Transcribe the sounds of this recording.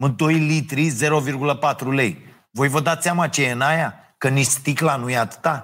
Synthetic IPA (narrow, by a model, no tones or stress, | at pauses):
mɨnd̪o̞jlit̪ɾize̞ɾo̞virɡuləpat̪ɾule̞j | vo̞jvəd̪at̪seamat͡ʃejeɨnaja | kənist̪iklanujeat̪ɨ̥t̪a